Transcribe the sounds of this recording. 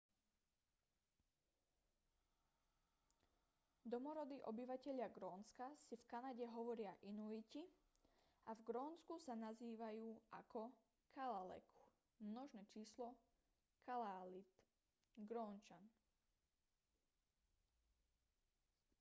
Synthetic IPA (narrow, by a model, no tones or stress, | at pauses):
d̪ɔmɔɾɔd̪iːʔɔbiʋacɛʎɪaɡɾɔːnskasifkanaɟɛɦɔʋɔɾɪaʔinuici | avɡɾɔːnskusanaziːʋajuːa̰kɔ | kʰalalɛ̰ku̥ | mnɔʒnɛːt͡ʃiːslɔ | kʰalaːlit̪ | ɡɾɔːnt͡ʃan